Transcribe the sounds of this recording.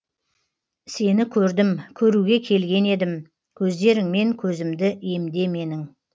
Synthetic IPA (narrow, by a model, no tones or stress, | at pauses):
se̞nɪkʲʰɵɾd̪ɪmkʲʰɵɾuɡʲe̞kʲʰe̞lɡʲe̞ne̞d̪ɪm | kʲʰɵzd̪e̞ɾɪŋme̞ŋkʲʰɵzɪmd̪ɪe̞md̪e̞me̞nɪŋ